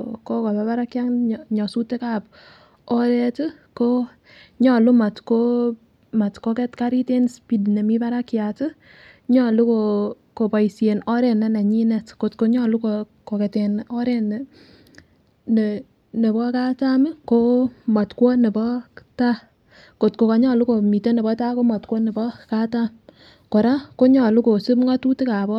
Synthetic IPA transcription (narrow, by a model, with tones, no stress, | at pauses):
ko˦ka˨ba˨˦ba˦ɾa˦kja˦ŋɲɔ˨su˦tːe˦ka˦˨p̚ | ɔ˦ɾɛ˦t | ko˦ | ɲɔ˦˨lʊ˦ma˨tko | ma˨tko˦kɛ˦tkaɾi˦te˦nspi˦dnɛ˨mi˦ba˦ɾa˦kja˨tɪ˦ | ɲɔ˦˨lu˦ko˨ | ko˨pa˨isje˨nɔ˦ɾɛ˨nɛ˦na˨ɲi˦nɛ˨tko˨tko˦ɲɔ˦˨lu˦ko | ko˨kɛ˨te˨nɔ˦ɾɛ˦n˨ | n | ne˨bɔ˦ka˦ta˦m˦ko˦mɔ˨tkwo˦ne˨bɔ˦ta˦ | ko˨tko˨ka˨ɲɔ˦˨lu˦ko˨mi˨to˦ne˨bɔ˦ta˦ko˦mɔ˨tkʷwɔ˦ne˨bɔ˦ka˦ta˦m | ko˨ɾa˦ko˦ɲɔ˦˨lu˦ko˨su˦pŋa˦tu˦ti˦ka˨bɔ˦